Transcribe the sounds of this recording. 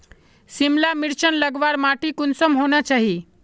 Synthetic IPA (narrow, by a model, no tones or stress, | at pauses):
simlamiɾt͡ʃənləɡʋaɾmaʈikunsəmɦonat͡ʃaɦi